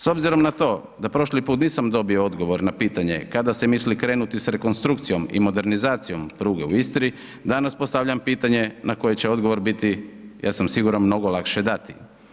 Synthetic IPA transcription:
so̞bziɾo̞mnat̪o̞ː | d̪apɾo̞ʃlipuːt̪niːsamd̪o̞biood̪ɡo̞ʋo̞ɾnapiːt̪aɲe̞̰kad̪ase̞mislikɾe̞ːnut̪isɾe̞ko̞nst̪ɾukt̪sijo̞mḭmo̞d̪e̞ɾnizaːt̪sijo̞mpɾuːɡeuist̪ɾi | d̪anaspo̞st̪aʋʎampiːt̪aɲe̞nako̞je̞t͡ɕeo̞d̪ɡo̞ʋo̞ɾbit̪ija̰ːsamsiɡuːɾanmno̞ɡolˠakʃe̞d̪at̪i̥

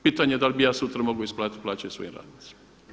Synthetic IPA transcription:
pit̪aɲeed̪alʲbijaːsut̪ɾamoɡoisplaːt̪t̪plˠaːt͡ʃajoso̰jinɾa̰ːd̪nit̪si̥ma

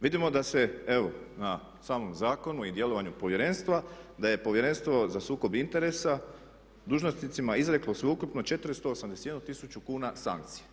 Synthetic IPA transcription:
ʋid̪imo̞d̪ase̞e̞ʋo̞na | saːmo̞mzaːko̞nuid̪je̞lo̞ʋaɲupo̞ʋje̞ɾe̞nst̪ʋad̪aje̞po̞ʋjeɾe̞nst̪ʋo̞zasuːko̞bint̪e̞ɾe̞sa | d̪uːʒnosnit̪simaizɾe̞klo̞sʋeukupno̞t͡ʃe̞t̪ɾst̪oosamd̪esejed̪nut̪isut͡ʃukuːnasa̰ŋk̚t̪si̥je

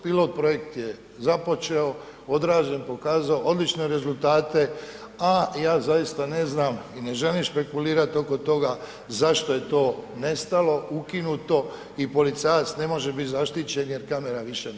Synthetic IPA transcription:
pilo̞ːt̪̚pɾo̞je̞kt̪je | zapo̞t͡ʃeoo̞d̪ɾaːʒe̞npo̞kaːzaoo̞d̪lit͡ʃne̞ɾe̞zult̪aːt̪e̞ajaːzajist̪ane̞znaːmine̞ʒe̞limʃpe̞kuliːɾat̪o̞ko̞t̪o̞ɡa | zaʃt̪o̞je̞t̪o̞ːne̞st̪alo̞ukinut̪o̞ | ipo̞lit̪sajat̪sne̞mo̞ʒebit̪zaʃt̪it͡ɕe̞nje̞ɾkame̞ɾaʋiʃe

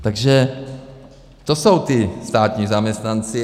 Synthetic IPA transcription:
t̪aɡʒɛ | t̪oso̞wt̪ɪst̪aːt̪ɲizamɲɛst̪nant͡sɪ

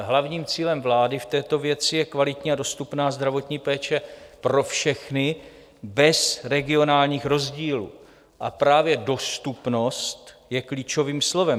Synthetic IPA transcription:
ɦlavɲiːmt͡siːlɛmvlaːdɪft̪ɛːt̪o̞vjɛt͡sɪjɛkvalɪt̪ɲiːado̞st̪upnaːzd̪ɾavo̞t̪ɲiːpɛːt͡ʃɛpɾo̞fʃɛxnɪ | bɛsɾɛɡɪo̞naːlɲiːxɾo̞zɟiːlṵː | ʔapɾaːvjɛdo̞st̪upno̞st̪jɛkliːt͡ʃo̞viːmslo̞vɛm

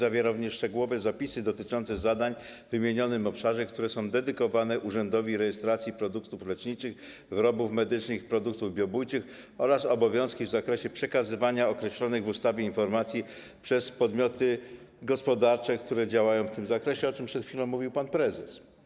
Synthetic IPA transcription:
zavʲjeɾavɲɛʂt͡ʂɛɡuwɔvɛzapʲisɘd̪ɔt̪ɘt͡ʂɔnt̪sɛzad̪aɲvɘmʲjeɲɔnɘmɔpʂaʐɛk̚t̪uɾɛsɔ̃w̃d̪ɛd̪ɘkɔvanɛʔuʐɛnd̪ɔvʲiɾɛjɛst̪ɾat̪sʲjipɾɔd̪ukt̪uflɛt͡ʂɲit͡ʂɘx | vɘɾɔbufmɛd̪ɘt͡ʂnɘxipɾɔd̪uk̚t̪uvbʲjɔbujt͡ʂɘx | ɔɾasɔbɔvʲjɔ̃w̃skʲivzakɾɛɕɛpʂɛkazɘvaɲaɔkɾɛɕlɔnɘɣvust̪avʲjɛinfɔɾmat̪sʲji | pʂɛspɔd̪mʲjɔt̪ɘ | ɡɔspɔd̪aɾt͡ʂɛkt̪uɾɛd͡ʑawajɔ̃w̃ft̪ɘmzakɾɛɕɛɔt͡ʂɘmpʂɛt̪xfʲilɔ̃w̃mːuvʲiwpanpɾɛzɛs

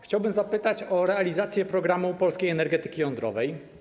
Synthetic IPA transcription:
xt͡ɕawbɘmzapɘt̪at͡ɕɔɾɛalʲizat̪sʲjɛpɾɔɡɾamupɔlskʲejɛnɛɾɡɛt̪ɘ̥kʲijɔnd̪ɾɔ̰vɛj

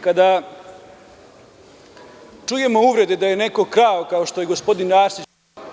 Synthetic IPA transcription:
kad̪a | t͡ʂuje̞mo̞uʋɾe̞d̪ed̪ajene̞ko̞kɾaːokao̞ʃt̪o̞je̞ɡospo̞d̪inɾaːɾsi

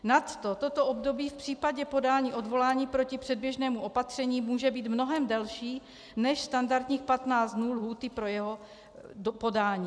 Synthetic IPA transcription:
nat̪ːot̪o̞t̪oʔobdo̞biːfpr̝̥iːpaɟɛpo̞daːɲiːʔo̞dvo̞laːɲiːpɾo̞cɪpr̥ɛd̚bjɛʒnɛːmuʔo̞pat̪r̝̥ɛɲiːmuːʒɛbiːt̪mno̞ɦɛmdɛlʃiː | nɛʃst̪andaɾt̪ɲiːxpat̪naːt͡st̪nuːlɦuːt̪ɪpɾo̞jɛɦo̞ | po̞daːɲiː

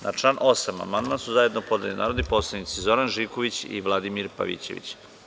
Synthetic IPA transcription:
nʔa̰ʈ͡ʂlˠaːnʔo̞sama̰mand̪mansuzaje̞d̪nopo̞d̪alinʔa̰ːɾo̞d̪iposlˠanit̪sizo̞ɾanʒiko̞ʋit͡ɕḭʋlˠad̪imiɾpa̰ʋḭt͡ɕe̞̰ʋḭt͡ɕ

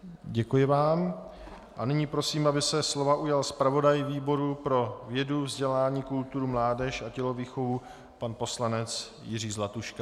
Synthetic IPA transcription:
ɟɛkujɪvaːm | ʔanɪɲiːpɾo̞siːmʔabɪsɛslo̞vaʔujalspɾavo̞dajviːbo̞ɾupɾo̞vjɛduvzɟɛlaːɲiːkult̪uɾumlaːdɛʃacɛlo̞viːxovu | panpo̞slanɛt͡s | jɪriːzlat̪uʃka

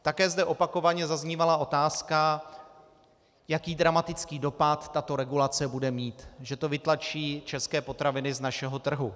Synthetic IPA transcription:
t̪akɛːzdɛʔo̞pako̞vaɲɛzazɲiːvalao̞t̪aːska | jakiːdɾamat̪ɪt͡skiːdo̞pat̪ːat̪o̞ɾɛɡulat͡sɛbudɛmiːt̪ʒɛt̪o̞vɪt̪lat͡ʃiːt͡ʃɛskɛːpo̞t̪ɾavɪnɪznaʃɛɦo̞t̪r̩ɦu

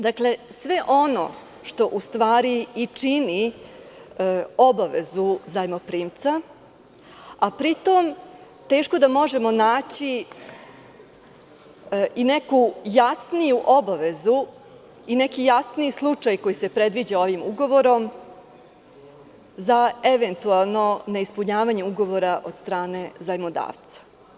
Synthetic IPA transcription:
d̪akle̞sʋe̞ʔo̞no̰ | ʃt̪o̞ʔust̪ʋaːɾiːt͡ʂini | o̞baʋe̞̰zuzajmopɾiːmt̪sa | apɾit̪o̞m | t̪e̞ːʃko̞d̪amo̞ʒe̞mo̞naːt͡ɕi | ine̞kujasnijuʔo̞baʋe̞zu | ine̞kijasnislˠut͡ʂajko̞jise̞pɾe̞d̪ʋid͡ʑao̞ʋimuɡo̞ʋo̞ɾo̞m | zaeʋe̞nt̪ualˠno̞neispuɲaːʋaɲeuɡo̞ʋo̞ɾaʔo̞d̪st̪ɾaːne̞zajmod̪a̰ːʋt̪sḁ

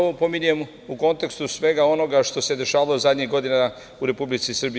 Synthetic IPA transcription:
opo̞miɲujem | uko̞nt̪e̞kst̪usʋe̞ɡao̞no̞ɡaʃt̪o̞se̞d̪e̞ʃaːʋalozad̪ɲiɣɡo̞d̪ina | uɾe̞publit̪sisrbi

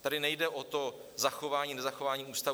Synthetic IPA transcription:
t̪adɪnɛjdɛʔot̪o̞ | zaxo̞vaːɲiːnɛzaxo̞vaːɲiːuːst̪a

